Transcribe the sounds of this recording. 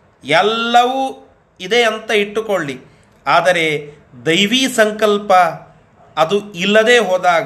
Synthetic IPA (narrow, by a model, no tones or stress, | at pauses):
ɛlːɐʋu | id̪e̞ɐnt̪ɐiʈːukoɭːi | aːd̪ɐɾe̞ | d̪ɐjʋiːsɐŋkɐlpɐː | d̪uilːɐd̪e̞ːɦoːd̪aːɡ